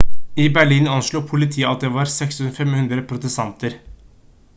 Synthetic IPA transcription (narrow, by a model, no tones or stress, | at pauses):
ɪbæɭiːnɑnʃɭuːpʰʊlɪt̪ʰiːəɑt̪̚d̪eʋɑːɾsɛkshʉnfɛmhʉnd̪ɾəpʰɾʊt̪əst̪ɑnt̪əɾ